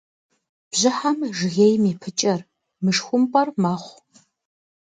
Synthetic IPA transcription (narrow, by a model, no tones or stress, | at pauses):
b̥ʑɪħamʒɣeːjmiːpʰɨt͡ʃʼɐr | mɨʂxʷʊmpʼɐrmaːχʷ